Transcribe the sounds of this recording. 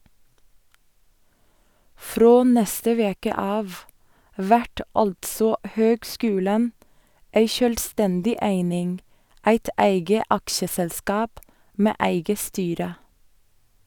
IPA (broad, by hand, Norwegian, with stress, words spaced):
ˈfɾoː ˈnɛstə ˈʋeːkə ˈɑːʋ ˈʋæʈ ˈɑltsɔ ˈhøːɡˌskʉːlən ˈeɪ ˈʃøːlˌstɛndɪ ˈæɪnɪŋ ˈæɪt ˈæɪɡə ˈɑkʃəsɛlˌskɑːp ˈmeː ˈæɪɡə ˈstyːɾə